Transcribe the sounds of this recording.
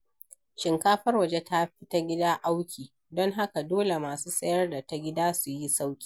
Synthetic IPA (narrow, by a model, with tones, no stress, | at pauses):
ʃɪ˨ŋkaː˦ɸɐ˦rwɐ˨d͡ʒe˦tʰa˦ɸɪ˦ta˦ɡʲɪ˦daː˦ʔa˦wkʲiː˨ | dɔ˦ŋɦa˦ka˨doː˦le˨maː˨suː˦sʼɐ˦jɐ˦rda˨ta˦ɡʲɪ˦daː˦su˨ji˦sa˦wkʲi̥ː˨